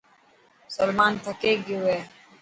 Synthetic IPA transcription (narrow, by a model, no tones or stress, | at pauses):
sɐlmaːnt̪ʰɐkeɡiweː